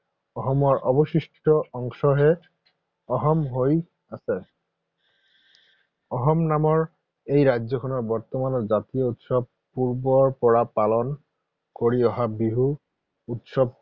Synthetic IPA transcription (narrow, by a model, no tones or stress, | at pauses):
ɔɦɔmɔɹʔɔbɔsisʈʈɔɔŋsɔɦɛ | ɔɦɔmɦoj | asɛ | ɔɦɔmnamɔɹ | ejɹajzɔkʰɔnɔɹbɔɹt̪ɔmanɔɹzat̪ijɔut̪sɔb̚ | puɹbɔɹpɔɹapalɔn | koɹiɔɦabiɦu | ut̪sɔb̚